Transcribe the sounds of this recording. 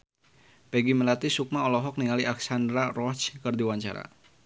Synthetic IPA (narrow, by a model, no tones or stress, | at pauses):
pɛɡiməlat̪isuk̚maɔlɔɦɔk̚niŋaliʔaksandɾarɔt͡ʃkərdiwaɲt͡ʃa̰ɾa̰